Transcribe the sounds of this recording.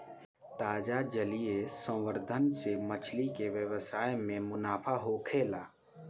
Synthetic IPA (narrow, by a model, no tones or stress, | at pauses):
t̪aːd͡ʒad͡ʒəlijesə̃wʋəɾd̪ʱənsemət͡ʃʰlikeʋjəwəsaːemẽmʊnaːpʰaɦokʰeːlaː